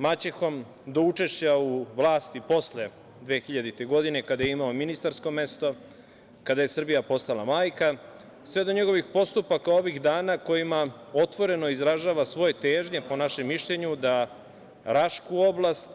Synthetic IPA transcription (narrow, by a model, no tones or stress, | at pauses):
mat͡ɕexo̞m | d̪o̞ut͡ʃe̞ʃt͡ɕauʋlˠaːst̪ipo̞sle | d̪ʋe̞ːxiʎad̪it̪e̞ɡo̞d̪ine̞kad̪ajeimaominist̪aɾsko̞me̞st̪o̞ | kad̪aje̞sr̩bijapo̞st̪alamaːjka | sʋe̞d̪o̞ɲe̞ɡo̞ʋixpo̞st̪upakao̞ʋiɣd̪aːnako̞jima | o̞t̪ʋo̞ɾe̞no̞izɾaʒaːʋasʋo̞je̞t̪eːʒɲe̞po̞naʃemːiʃʎe̞ɲud̪a | ɾaʃkuo̞blˠast̪